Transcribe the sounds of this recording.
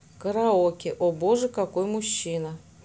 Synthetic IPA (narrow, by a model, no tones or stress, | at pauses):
kəɾɐokʲɪʔoboʐɨkakojmʊɕːinɐ